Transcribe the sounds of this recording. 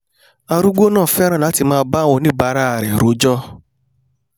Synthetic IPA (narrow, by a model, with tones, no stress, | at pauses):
a˧ɾu˦ɡ͡bo˦nãː˦˨fɛ˦ɾ̃ã˦˨la˨˦ti˧˨mãː˦˧ba˦wo˧nĩ˦ba˧˦ɾa˦˨ɾɛ˨ɾo˨˦d͡ʒɔ˦